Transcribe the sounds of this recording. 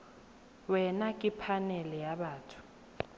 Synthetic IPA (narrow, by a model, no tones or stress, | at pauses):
wɛnakʼipʰanɛlɛjaɓaːtʰu̥